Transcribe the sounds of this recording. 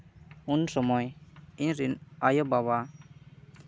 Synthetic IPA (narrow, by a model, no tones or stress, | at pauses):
unsɔmɔjiɲɾinajɔbaβa